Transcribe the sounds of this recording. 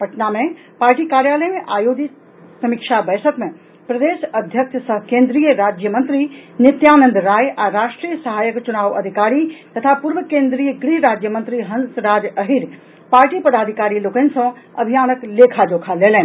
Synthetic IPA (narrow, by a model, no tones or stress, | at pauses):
pɐʈnamẽ | paːɾʈikaːɾjaːləjmẽʔaːjoːɡ̪i | sɐmikʃabɐːsʰəkmẽ | pɾɐd̪eːʃɐd̪ʱjəkʃsɐkẽːnd̪ɾijəɾaːd͡ʑjəmɐ̃nt̪ɾinɪt̪jaːnə̃nd̪ɾaːjʔɛ̃ːɾaːʃʈɾiːjəsɐɦaːjəkt͡ɕʊnaːʋɐd̪ʱɪkaːɾit̪ɐt̪ʰapʊɾʋəkẽːnd̪ɾiːəɡɾiɾaːd͡ʑjəmɐnt̪ɾiɦɐnsɾaːd͡ʑɐɦɪɾ | paːɾʈipɐd̪aːd̪ʱikaːɾiloːkənɪ̆sɐ̃ | ɐbʱijaːnəkleːkʰad͡ʑoːkʰaleːlɛ̃